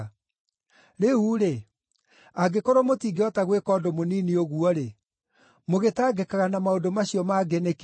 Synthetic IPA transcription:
ɾeuɾe | aɡekoɾwɔmotiːɡeɔtaɣwekɔːdomoniːnioɣuɔɾe | moɣetaːɡɛkaɣanamaodomaɕiɔmaɡenek

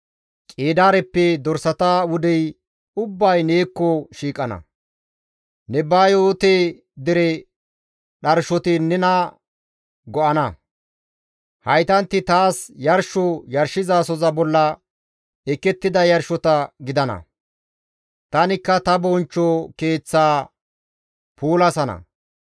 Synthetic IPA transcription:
kʼeːd̪aːɾɛpːɛd̪ɔɾsɐt̪awʊd̪ɛj | ʊbːɐjneːkːɔʃiːkʼɐnɐ̰ | nɛbaːjoːt̪eː | d̪ɪɾɛ | ɗɐɾʃɔt̪ɪnɛnɐ | ɡɔʔɐnɐ | hɐjt̪ɐnt̪ːɪt̪aːsjɐɾʃɔjɐɾʃɪzaːsɔzɐbɔlːɐ | ɛkːɛt̪ːɪd̪ɐjɐɾʃɔt̪ɐɡɪd̪ɐnɐ̰ | t̪ɐnɪkːɐt̪ɐbɔnt͡ʃːɔke̞ːt͡sːaː | puːlɐsɐnɐ̰

